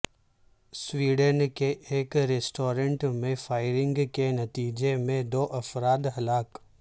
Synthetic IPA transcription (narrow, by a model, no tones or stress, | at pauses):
swiːɖənkeʔeːkɾesʈoːɾə̃ɳʈmẽfaːɪɾɪ̃ŋɡkenɐt̪iːd͡ʒemẽd̪oːʔɐfɾaːd̪ɦɐlaːk